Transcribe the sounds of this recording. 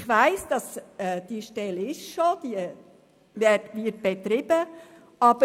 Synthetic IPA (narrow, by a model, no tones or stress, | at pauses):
χʋæɪsd̥ɑsɛːd̥iʃtɛlɪʃʃod̪̥iə | ʋɛːtʋit̚b̥et̪ɾɪbə | ɑb̥ə